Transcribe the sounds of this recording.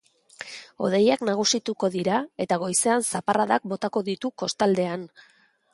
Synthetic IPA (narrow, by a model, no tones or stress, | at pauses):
o̞̰ðe̞jaknaɣ̞usit̪uko̞ðiɾae̞t̪aɣ̞o̞jse̞ansaparaðak̚bo̞t̪ako̞ðit̪uko̞st̪ald̪e̞an